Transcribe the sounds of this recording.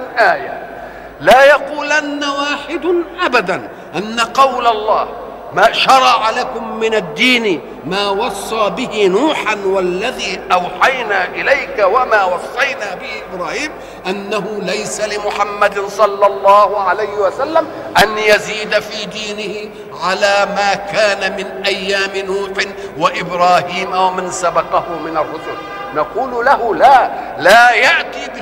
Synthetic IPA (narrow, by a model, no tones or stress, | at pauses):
ʔaːja | laːjɑquːlʔanːawaːħɪd̪ʔabad̪an | ʔanːaqɑwlalˤːɑːh | maːʃɑɾˤɑʕalakʊmːɪnad̪ːiːn | maːwɑsˤːɑːbɪhɪnuːħanwalːaðiːʔawħajnaːʔɪlajkawamaːwɑsˤːɑjnaːbɪhɪʔʔɪbɾaːhiːm | ʔanːaɦʊlajsalɪmʊħamːad̪ɪnsˤɑlːɑlˤːɑːhʊʕalajhɪwasalːam | ʔanjaziːd̪afiːd̪iːnɪhɪ | ʕalaːmaːkaːnamɪnʔajːaːmɪnuːħɪ | waʔɪbɾaːhiːmawamansabɑqɑhʊmɪnarˤːʊsʊl | nɑquːllahʊlaː | laːjaʔt̪iːb